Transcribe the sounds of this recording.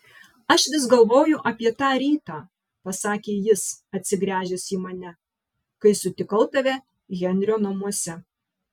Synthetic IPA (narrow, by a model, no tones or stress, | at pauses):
ɐʃʋʲɪs̬ɡɐlˠʋoːjʊʔɐpʲiɛt̪ɑːɾʲiːt̪ɑː | pɐsɑːkʲeːjɪsɐt̪ʲsʲɪɡɾʲæːʒʲɛsiːmɐnʲɛ | kɐɪsʊt̪ʲɪkɐʊt̪ɐʋʲɛ | ɣʲɛnʲɾʲoːnɐmuɔsʲɛ